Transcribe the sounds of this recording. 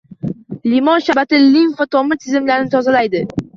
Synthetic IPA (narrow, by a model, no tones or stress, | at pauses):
limɒnʃabat̪ɪlimfat̪ʰɒmɪt̪ʰɪzɪmlaɾnɪt̪ʰɒzalajd̪ɪ